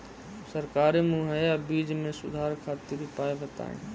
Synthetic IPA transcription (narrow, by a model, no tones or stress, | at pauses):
səɾkaːɾemũɦəabiːd͡ʒmẽsʊ̰d̪ʱaːɾkʰaːt̪ɪɾpaːebʱət̪a̰ːɦḭ̃